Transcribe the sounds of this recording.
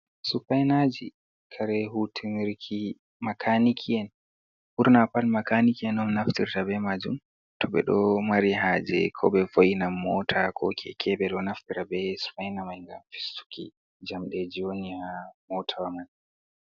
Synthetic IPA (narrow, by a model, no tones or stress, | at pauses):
sufajnad͡ʒi | kʰaɾɛɦutʰiniɾkʰi | makʰanikʰiɛn | ʔuɾnapalmakanikiɛnɔmnaftiɾtabɛmad͡ʒum | tʰɔɓɛ̰ɗɔmaɾiɦad͡ʒɛ̰kʰɔɓɛfojinamːɔtʰakʰɔ̰kʰɛ̰kʰɛɓɛɗɔnaftiɾabɛsu̥fajnamajŋɡamfi̥stu̥kḭ | d͡ʒamɗɛd͡ʒiwonihamɔtʰawaman